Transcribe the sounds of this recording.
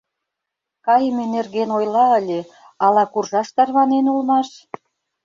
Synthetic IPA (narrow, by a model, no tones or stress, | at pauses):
kɑjmenerɣenojlɑə̆lʲe | ɑlɑkurʒɑʃt̪ɑrβɑnenulmɑʃ